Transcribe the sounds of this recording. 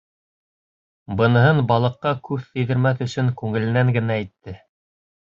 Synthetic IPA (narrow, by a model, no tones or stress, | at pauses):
bɤ̆nɤ̆ɦɤnbɑlˠɤ̆qːɑkʉpːiðɘ̆ɾmæθɵ̆sɵŋkʉŋɘ̆lɘ̆næŋɡɘ̆næːjt̪ːɘ